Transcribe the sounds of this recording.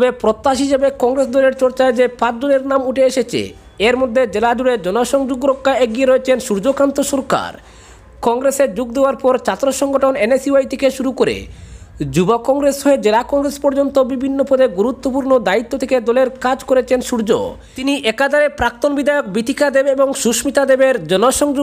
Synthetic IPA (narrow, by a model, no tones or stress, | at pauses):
t̪ɔbepɾot̪ːaʃɦiʃebekɔŋɾesd̪ɔleɾt͡ɕɔɾt͡ɕaed͡ʑepat͡ɕd͡ʑoneɾnamuʈʰeeʃet͡ɕʰḛ | eɾmod̪ʱːed͡ʑelad͡ʑuɽed͡ʑɔnoʃɔŋd͡ʑoɡɾokʰːaeɡieɾoet͡ɕʰenʃuɾd͡ʑokant̪oʃɔɾka̰ɾ | kɔŋɡɾesed͡ʑuɡd̪eoaɾpɔɾt͡ɕat̪ːɾoʃɔŋɡoʈʰonenesiajt̪ʰekeʃuɾukoɾḛd͡ʑubokɔŋɾesoed͡ʑelakɔŋɾespɔɾd͡ʑont̪obibʱinːopʰɔd̪eɡuɾut̪ːopuɾnod̪ait̪ːot̪ʰeked̪ɔleɾkad͡ʑkoɾet͡ɕʰenʃuɾd͡ʑo̰ | t̪iniʔɛkad̪aɾepɾak̚t̪onbid̪aeok̚bit̪ʰikʰad̪ebeboŋʃuʃmit̪ʰad̪ebeɾd͡ʑɔnoʃɔŋ